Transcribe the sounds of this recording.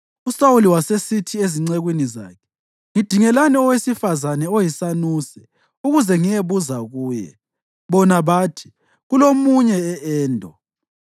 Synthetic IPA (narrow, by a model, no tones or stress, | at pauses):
usawuliwasesitʰieziŋ͡ǀeɣwiniza̰ːkʰɛ̥ | ŋid̥ʱiŋɛlaniɔwesifazanɛojisanuːsɛ | uɣuzɛŋijeβuzaɣuːjɛ̰ | βɔnaβaːtʰi̥ | ɣulomuɲɛːʔɛːndʱɔ